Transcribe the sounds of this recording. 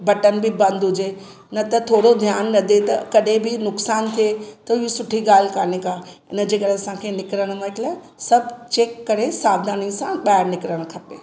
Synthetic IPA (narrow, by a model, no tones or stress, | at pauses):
bɐʈənbɪbɐ̃nd̪ɦʊd͡ʑe | nɐt̪ɐt̪ʰoːɽod̪ʱjaːnːɐd̪ʱet̪ɐ̰kɐɗɦẽbɪnʊksaːnt̪ʰiet̪ɐɪjosʊʈʰiɡaːl̤ɪkaːnekaːɪ̰nə̆d͡ʑeːkɐɗeɐsãkʰenɪkɾəɽ̃mãɦɪkɪla | sɐbt͡ɕeːkːɐɾesaːbd̪aːnĩsãɓaːɪɾnɪkɾəɽ̃kʰɐpeː